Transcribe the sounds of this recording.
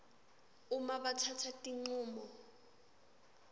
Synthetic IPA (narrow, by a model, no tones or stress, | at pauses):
umaɓatʰatʰatʼiŋ͡ǀuːmɔ